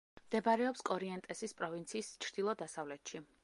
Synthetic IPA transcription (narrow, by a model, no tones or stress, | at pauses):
md̪̥ɛbaɾɛɔpskʼɔɾiɛnt̪ʼɛsispʼɾɔvint̪sʰiːst͡ʃʰɾd̪̥ilˠɔd̪asavlɛt̪ʃi